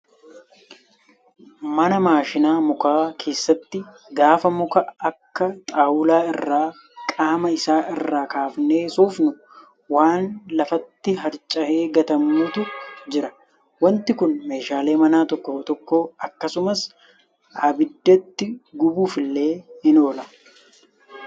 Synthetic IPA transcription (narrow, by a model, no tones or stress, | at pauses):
mɐnɐmaːʃɪnaːmʊkaːkʰe̞ːsːɐt̪ːɪ | ɡaːfɐmʊkɐɐkːɐt̪ʼaːwʊlaːɪrːaː | kʼaːmɐɪsaːʔɪrːaːkaːfne̞ːsoːfnʊ | waːnlɐfɐt̪ːɪɦɐɾt͡ʃʼɐhe̞ːɡɐt̪ɐmːuːt̪ʊd͡ʒɪɾɐ | wɐnt̪ɪkʊnmeːʃaːle̞ːmɐnaːt̪ɔkːoːt̪ɔkːoːɐkːɐsʊmɐs | aːbɪd̪ːɐt̪ːɪɡʊbuːfɪlːe̞ːhɪno̞ːlɐ